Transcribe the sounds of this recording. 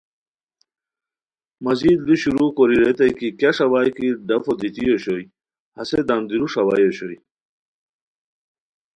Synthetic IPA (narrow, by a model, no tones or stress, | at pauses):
mɐzid̪luɕuɾukoɾiɾet̪ɐjkikaʂɐwaːjkiɖɐfod̪it̪ijoɕoj | hɐsed̪ɐnd̪iɾuʂɐwajoɕoj